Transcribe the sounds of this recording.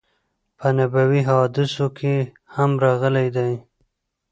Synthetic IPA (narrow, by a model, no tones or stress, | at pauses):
pʰənabawiɦɑd̪ɪsokʰe | hamɾɑɣəlajd̪aj